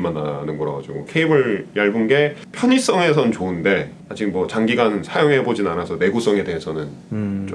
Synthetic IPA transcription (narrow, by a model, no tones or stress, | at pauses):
manːanɯnɡʌɾa̰ɡad͡ʑiɡokʰe̞ibɯɭjaɭbɯnɡepʰjʌɲis͈ʌŋe̞sʰʌnɯnt͡ɕoɯnde̞ | ad͡ʑimwʌt͡ɕaŋɡiɡanɯnsʰajoŋɦebod͡ʑinanasʰʌne̞ɡus͈ʌŋe̞de̞ɦesʰʌnɯnt͡ɕo